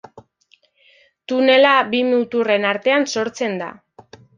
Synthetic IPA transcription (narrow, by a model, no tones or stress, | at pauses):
t̪une̞labiminut̪ure̞naɾt̪e̞anso̞ɾt͡se̞nd̪a̰